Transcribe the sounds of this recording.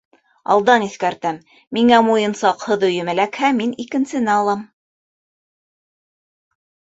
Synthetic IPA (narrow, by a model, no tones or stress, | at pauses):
ɑ̰lˠd̪ɑniθkæɾt̪æmː | iŋæmujɤ̆nsɑqhɤðɵ̆jɵ̆mɘ̆lækhæminikɘ̆nsɘ̆næɑlˠɑm